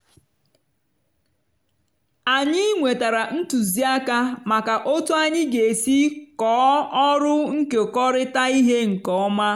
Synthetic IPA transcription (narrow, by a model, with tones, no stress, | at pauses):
a˨ɲɪ˦ŋʷe˨ta˨ɾa˨n̩˦tu˨zi˦a˦ka˦ma˨ka˨ʔo˦tʊ˦a˦ɲɪ˦ɡe˨e˨si˦kɔː˨˦ɔ˦ɾʊ˦ŋ̩˦ke˨kɔ˦ɾɪ˦ta˦i˦ɦe˦ŋ̩˨kɔ˨˦ɔ˦ma˦